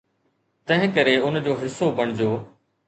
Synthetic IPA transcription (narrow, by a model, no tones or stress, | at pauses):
t̪ɐ̃ɦɪ̃kɐɾeʊnd͡ʑoːɦɪsːobɐɽ̃ɪd͡ʑoː